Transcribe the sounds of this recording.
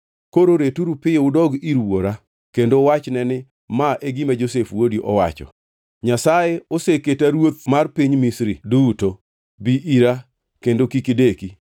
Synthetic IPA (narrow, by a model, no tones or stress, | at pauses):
koɾoɾetuɾupɪʊdɔɡiɾwoɾa | kendowat͡ʃnɛnɪ | maʔeɡimad͡ʒosefwodiʔɔwa̰t͡ʃɔ̰ | ɲasajeoseketaɾwot̪̚marpiɲmisɾiduto | biʔiɾa | kendokikɪdeki